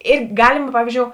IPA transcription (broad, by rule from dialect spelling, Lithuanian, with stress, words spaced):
ˈɪr ˈɡɑːlʲɪmɐ ˈpɑːʋʲiːzʲd͡ʒʲoːʊ